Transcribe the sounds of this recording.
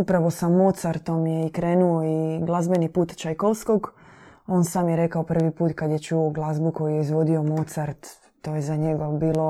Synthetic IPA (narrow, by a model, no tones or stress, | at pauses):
upɾaʋo̞samo̞t̪saɾt̪o̞mjeikɾeːnuoiɡlˠazbe̞nipuːt̪t͡ʃajkolsko̞ɡo̞ːnsaːmjeɾe̞kaopr̩ʋipuːt̪kad̪jet͡ʃuoɡlˠazbuko̞jujeizʋo̞d̪io̞mot̪saɾt̪ː | oːjezaɲeɡobiːlo̞